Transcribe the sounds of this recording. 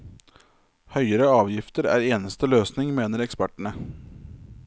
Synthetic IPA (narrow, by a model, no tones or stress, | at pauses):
hœʏəɾəɑːʋjɪft̪əɾæ̰ːɾeːnəst̪əløːsnɪŋmeːnəɾɛkspæʈəɳə